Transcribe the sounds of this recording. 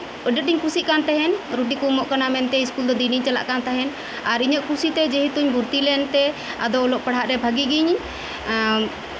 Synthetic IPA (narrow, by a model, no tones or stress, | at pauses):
əɖət̪̚ɖiɲkusiʔ̚kant̪ɛɦɛnɾuʈ̬ikumɔʔkanamɛnt̪ɛiskuld̪ɔd̪iniɲt͡ʃala̰ʔkant̪ɛɦɛn | aɾiɲəʔkusit̪ɛd͡ʒɛɦit̪uɲbuɾt̪ilɛnt̪ɛ | a̰d̪ɔɔlɔʔpəɽ̤aʔɾɛbʱəɡiɡiɲ